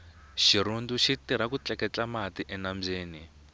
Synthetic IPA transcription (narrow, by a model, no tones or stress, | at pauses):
ʃiɾunduʃitiɾ̤akut͡ɬɛkɛt͡ɬamatiʔɛnamb͡ʐeːni